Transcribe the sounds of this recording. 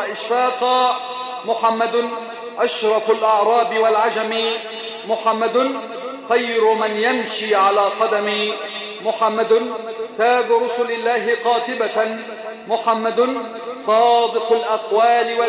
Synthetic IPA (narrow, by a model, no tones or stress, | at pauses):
ʔɪʃfaːqɑ | mʊħamːad̪ | ʔaʃɾˤɑfʊlʔɑʕɾˤɑːbɪwalʕad͡ʒami | mʊħamːad̪ | xajːɾʊmanjamʃiːʕalaːqɑd̪amɪ | mʊħamːad̪nt̪aːbɾˤʊsʊlɪlːaːɦɪqɑːt̪ɪba | mʊħamːad̪n | sˤɑːd̪ɪqʊlʔaqwaːlɪwa